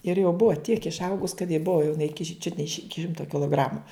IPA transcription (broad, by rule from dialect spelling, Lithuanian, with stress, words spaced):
ɪr jɛʊ ˈbʊɐ tʲiɛk ɪʃˈɐʊɡʊs kɐt jɪ ˈbʊɐ jɛʊ jɪˈnɐɪ t͡ʃʲʊt nʲɛ ɪʃ ˈɪkʲɪ ˈʃʲɪmtoː kʲɪlˠoːˈɡrɑːmʊ